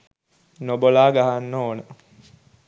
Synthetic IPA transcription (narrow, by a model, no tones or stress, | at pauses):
nobolaːɡaɦanːoːnə